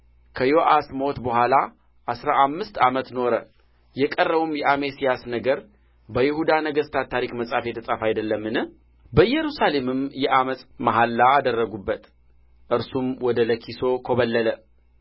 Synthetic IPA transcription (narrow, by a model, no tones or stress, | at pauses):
kʰəjoʔasmot̪bəhʷala | ʔasɾaʔamːɨst̪amət̪no̞ɾə | jɛkʼərːəβumjɛʔamesijasnəɡəɾ | bəjɪhud̪anəɡəst̪ʰat̪ʰːaɾikməsʼafet̪ʰəsʼafajd̪əlːəmːɨnɨh | bəjɛɾusale̞mɨmjɛʔaməsʼmaɦalːaːd̪ərːəɡubːət̪ | ʔɨɾsumwɔd̪ələkʰiso̞kʰoβəlːələ